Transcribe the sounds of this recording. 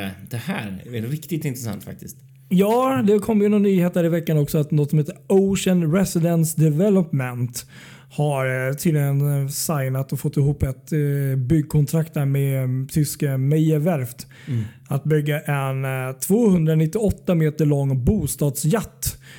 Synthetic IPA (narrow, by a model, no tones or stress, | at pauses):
d̪̥ɛhæ̰ːɾɛnɾɪkt̪ɪt̪ɪnt̪ɾɛsa̰nt̪fa̰k̚t̪ɪst̪ | jɑːd̪ɛkʰɔmːjɪnɔnːyːheːt̪̚ːæːɾɪvɛkːanɔksɔat̪nɔt̪sɔmheːt̪ːəɾoʊʂənɾɛsɪd̪ɛnsd̪ɛvɛlɔpmɛnt̪ | haɾt̪ʰiːd̪lɪɡənsajnat̪ɔfɔt̪ːɪɦuːpːɛt̪bʏɡ̚ːkʰɔnt̪ʰɾakt̪̚dæːɾmet̪ʰʏskamɛəvæɾft̪ | at̪̚bʏɡːaʔɛnt̪ʰvoːhɵnd̪ɾanɪt̪ːɪɔt̪ːameːt̪əɭɔŋːbuːst̪ɑːd̪sjat̪ː